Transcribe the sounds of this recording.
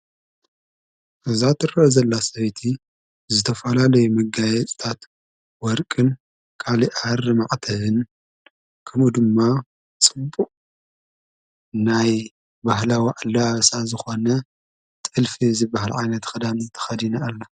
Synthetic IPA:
ʔɨzat̪ʰɨɾɐʔzɐlːasɐβt̪ʰi | zɨt̪ʰɐfɐlalɐjumɐɡajɛt͡sʼt̪ʰat̪ | wɔɾkʼɨn | kʰaliʔarɨmaʔt̪ʰɐhɨn | kʰɐmud̪ɨmːa | t͡sʼɨbːuʔʼ | naj | bahlawiʔalaβsazɨxonɐ | t̪ʼɨlfizɨbaɦalʕajnɐt̪xɐd̪ant̪ʰɐ̥xɐd̪inɐalːa

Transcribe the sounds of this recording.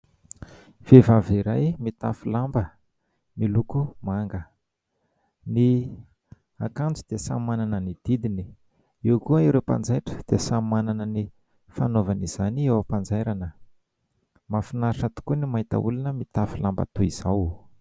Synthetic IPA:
v̥evaviɾajmit̪afilambə | milukumaŋɡə | ni | akand͡zud̪̥eəsa̰mananənid̪̥id̪ini | iwkuəiɾewpa̰nd͡zajʈ͡ʂə̥d̪̥eəsamananəni | fanovaniz̥aniewəpand͡zajɾanə | mafinaʂat̪u̥kunimait̪a̰ṵlunəmit̪afilamba̰t̪uiz̥aw

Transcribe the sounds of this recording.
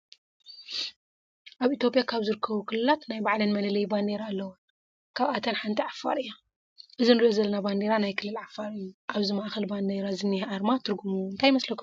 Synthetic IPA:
ʔaβit̪ʰjo̞pʼijakʰaβzɨɾɨkʰːɐβukʰɨlɨlat̪najbaʕlinmɐlɐlɐjband̪eɾalːɐwun | kʰaβat̪ʰɐnħant̪ʰiʕafa̰ɾɨjːo | ʔɨzinɨɾiʔozɐlːɐnaband̪eɾanajkʰɨlːɨlʕafːaɾɨjːuʔaβzimaʔxɐlband̪eɾazɨnːihʔaɾmat̪ʰɨɾɡumuɨnt̪ʰajmɐslɐkʰ

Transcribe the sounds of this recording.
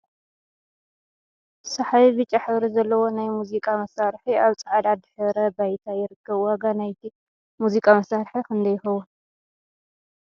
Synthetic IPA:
sɐħaβibɨt͡ʃʼːaħɨβɾizɐlːɐwo̞najmuzikʼamɐsaɾħiaβt͡sʼɐʕad̪ad̪ħɨɾɐbajt̪ʰajɪɾɨkːɐβwaɡanajt̪ʰi | muzikʼamɐsaɾħikʰɨnd̪ɐjːɪxɐwun

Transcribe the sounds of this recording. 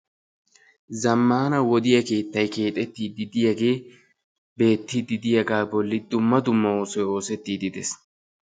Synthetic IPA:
zɐmːaːnɐwɔd̪ɪjɐke̞ːt̪ːɐjke̞ːt̪ʼɛt̪ːiːd̪ɪd̪ɪjɐɡe̞ː | be̞ːt̪ːɪd̪ɪd̪ɪjɐɡaːbɔlːɪd̪ʊmːɐd̪ʊmːɐo̞ːsɔjo̞ːsɛt̪ːiːd̪ɪd̪ɛs

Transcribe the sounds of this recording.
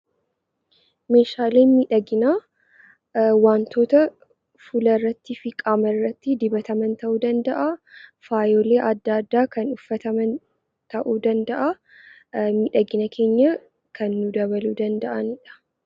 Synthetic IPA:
meːʃaːle̞ːmiːᶑɐɡɪnaː | waːnt̪ʰo̞ːt̪ɐ | fʊlɐrːɐt̪ːɪfɪkʼaːmɐrːɐt̪ːɪd̪ɪbɐt̪ɐmɐnt̪ɐʔuːd̪ɐnd̪ɐʔafaːjoːle̞ːʔɐd̪ːaːd̪ːaːkɐnʊfːɐt̪ɐmɐn | t̪ɐʔuːd̪ɐnd̪ɐʔa | miːᶑɐɡɪnɐkʰe̞ːɲːɐ | kʰɐnːʊd̪ɐβɐluːd̪ɐnd̪ɐʔɐnɪᶑɐ̥

